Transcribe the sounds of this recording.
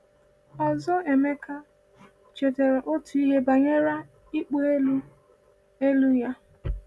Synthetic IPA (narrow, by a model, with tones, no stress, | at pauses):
ɔ˨zɔ˦e˨me˦ka˦ | t͡ʃe˨de˨ɾe˨ʔo˦tu˨i˦ɦe˦ba˨ɲe˦ɾa˦ | i˦k͡po˦e˦lu˦ | e˦lu˦ja˦